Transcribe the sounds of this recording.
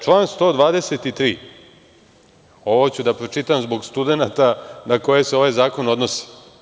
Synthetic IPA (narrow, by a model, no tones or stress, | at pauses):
t͡ʃlˠaːnst̪o̞ːd̪ʋaːd̪eset̪it̪ɾiː | o̞ʋot͡ɕud̪apɾot͡ʂit̪amzbo̞ɡst̪ud̪e̞nat̪anako̞je̞seo̞ʋajzaːko̞no̞d̪no̞si̥